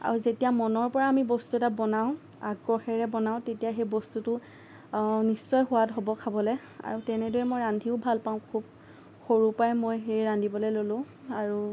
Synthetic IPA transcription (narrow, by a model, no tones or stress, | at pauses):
a̰ɹuzetijamɔnɔɹpɔɹaːmibɔstuɛtabɔnaʊ̃ | aɡɹɔxɛɹɛbɔnaʊ̃tetijaxejbɔstutʊ | nisːɔjɦʊwatɦobɔkʰabɔlɛ | a̰ɹutɛnɛdɔɹɛmojɹandʱiʊbʱalpaʊ̃kʰub̚ | xoɹupajmojɦeɹiɹandʱibɔlojlolʊ̃ | aɹu